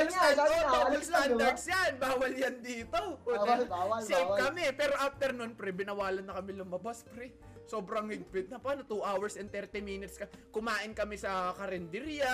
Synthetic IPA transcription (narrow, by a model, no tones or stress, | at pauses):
lsaobawɐlst̪ad̪ɐɡ̪sjanbaːwɐljɐnd̪iːt̪oʔont͡ʃejp̚kɐmɛpɛːɾo̞ʔaf̚t̪ɛɾnonpɾɛbɪnɐwaːlɐnːɐkɐmɛlʊmɐbaspɾɛ | so̞ːbɾɐŋlɪɡpɪd̪̚nɐpaːnot̪uʔawɐɹsɛnd̪t̪ɛɾt̪imiːnɪt̪skɐkʊmaːʔɪnkɐmɛsɐkɐɾɛnd̪ɪɾjɐ